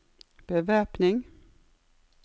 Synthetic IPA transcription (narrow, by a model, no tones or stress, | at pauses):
b̥əʋæːpnɪŋ